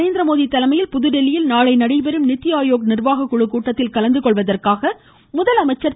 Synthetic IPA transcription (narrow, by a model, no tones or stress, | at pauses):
eːnd̪ɾɐmoːðit̪ːɐlɐmɐjɪlpʊðɯɽɛlːɪjɪlnaːɭɐɪnɐɽɐɪbɛɾɯmnɪt̪ːɪjaːjoːk̚nɪrʋaːɣɐkːʊɻɯkːuːʈːɐt̪ːɪlkɐlɐnd̪ɯkɔɭʋɐðɐrkaːɣɐ | mʊðɐlɐmɐɪt͡ʃːɐɾ